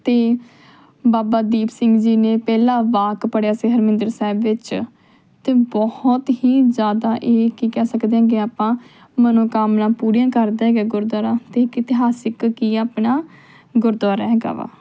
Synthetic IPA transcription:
t̪eː | baːbaːd̪iːpsɪŋɡd͡ʒiːneːpɛːlãːʋaːkpəɽjaːseːɦəɾmɪ̃nd̪əɾsaːbʋɪt͡ʃ | t̪eːbɔhɔt̪hiːzjaːd̪aːʔeːkiːkɛːsəkd̪eãːɡeːaːpãː | mənõːkaːmnãːpuːɾijãːkəɾd̪eːɦɛɡaːɡʊɾd̪aːɾãːt̪eːkɪt̪ɪɦaːsɪkːiːaːpnaː | ɡʊɾd̪aːɾaːɦɛːɡa̰ːʋa̰ː

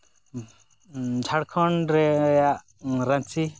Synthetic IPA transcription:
d͡ʒʱaɽkʰɔɳɾɛjaʔ | ɾat͡ʃi

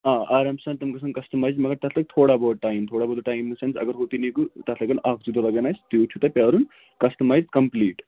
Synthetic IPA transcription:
ãːʔaːɾɐmsɐnt̪ɐmkɐsɐnkɐsʈɐmaːjzmɐɡɐɾt̪ɐt̪ʰlɐɡ̚t̪ʰoːɽaboʈaːjmt̪ʰoːɽabɔːld̪oʈaːjmːɐsɐnzɐ̰ɡɐɾɦot̪inikut̪ɐt̪ʰlɐɡɐnaːk̚d͡ʒud̪olɐɡɐnajst̪jot͡ʃʰut̪ɐpʲaɾun | kɐsʈɐmaːjzkɐmpliːʈ

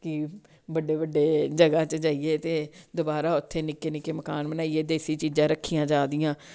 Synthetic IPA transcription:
kɪ | bəɖeːbəɖːeːd͡ʒəɡaːt͡ʃəd͡ʒaːiːeːt̪eːd̪obaːɾaːʊt̪ʰːeːnɪkeːnɪkeːməkaːnbənaːieːd̪eːsiːt͡ʃiːd͡ʒãːɾəkʰːijãːd͡ʒaːd̪ijãː

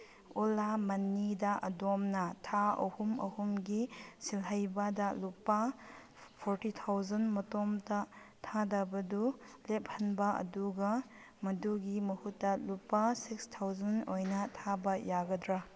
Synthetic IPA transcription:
ulamɐnːidɐʔɐ̰domnɐtʰaɐ̰humɐ̰humɡisilɦɐjbɐdɐlupːɐ | pʰoɾtitʰawzɐnmɐtomtɐtʰadabɐdulep̚hɐnbɐɐ̰duɡɐ | mɐduɡimɐhutːɐlupːasikstʰawzɐnojnɐtʰabɐjaɡɐdɾa

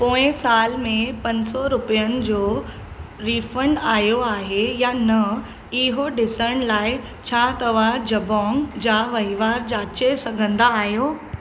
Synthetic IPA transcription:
põːɪ̃saːlmẽpɐ̃ɲsɔɾʊpijənɪ̆d͡ʑoː | ɾiːfəɳɖaːjoaːɦejanɐ | ɪɦoɖɪsəɽ̃laːɪ | t͡ɕʰaːt̪ɐʋ̤ad͡ʑɐbɔ̃ːŋd͡ʑaːʋɐɦiʋaːɾd͡ʑaːt͡ɕesɐɡʱə̃nd̪aːɦijoː

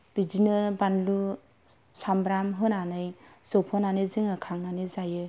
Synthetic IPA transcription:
b̥idinɯbanlu | sambɾamɦɯnanɯjzɔpʰhɯnaniziŋɯkʰaŋnanizajɯ

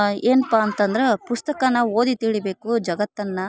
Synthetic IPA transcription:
eːnɐpːaːnt̪ɐnd̪ɐɾepust̪ɐkɐnɐoːd̪it̪iɭibe̞ːkud͡ʒɐɡɐt̪ːɐnːɐ

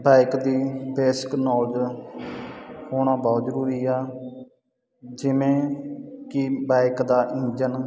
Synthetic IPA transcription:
baːɪkd̪iːbɛːsɪ̥knɔːld͡ʒ | hoːɽ̃ãːbɔːt̪zəɾuːɾiːɛː | d͡ʒɪʋẽːkɪbaːɪkd̪aːʔĩːd͡ʒən

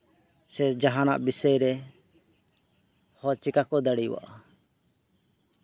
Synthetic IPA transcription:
sɛd͡ʒaɦana̰ʔbisɛjɾɛ | hɔt͡ʃikakɔd̪aɽijwa̰ʔa

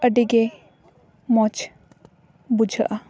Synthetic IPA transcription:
əɖiɡɛ | mɔt͡ʃ | bud͡ʒʱəʔa

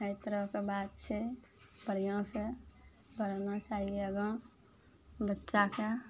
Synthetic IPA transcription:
əɪt̪ɾəkebaːd̪̚t͡ʃʰe | bəɾijãse | bəɾnat͡ʃaːɦieəɡə | bətːʃake

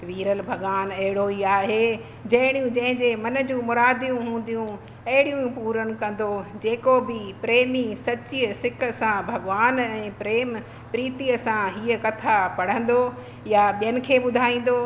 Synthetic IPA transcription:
ʋiːɾəlbʱɐɠʋaːnɐɦɪɽoiaːɦe | d͡ʑɐɦɪɽ̃ijũd͡ʑɐ̃ɦɪ̃ɲd͡ʑemɐnə̆d͡ʑũːmʊɾaːd̪ijũɦũːn̆d̪ijũ | ɐɦɪɽijũpuːɾəñʊ̆kɐ̃n̆d̪od͡ʑeːkobɪpɾeːmisɐt͡ɕiəsɪkəsãbʱɐɡʋaːnɛ̃ːpɾeːm | pɾiːt̪iəsãɦiːəkɐt̪ʰapɐɽ̤ə̃n̆d̪o | jaɓijənɪ̆kʰeːɓʊd̪ʱaːĩːn̆d̪o

